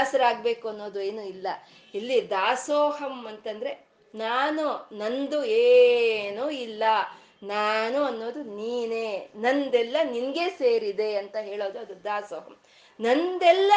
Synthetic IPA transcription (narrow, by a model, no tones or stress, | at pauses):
sɐɾaːɡbe̞ːkuɐnːo̞ːd̪ueːnuilːɐ | ilːid̪aːsɔːhɐmɐnt̪ɐnd̪ɐɾe̞ | naːnunɐnd̪ueːnuilːɐ | naːnuɐnːo̞ːd̪uniːneːnɐnd̪ɛlːɐninɐɡe̞ːseːɾid̪e̞ɐnt̪ɐɦeːɭo̞ːd̪uɐd̪ud̪aːsɔːɦɐm | nɐnd̪ɛlːɐ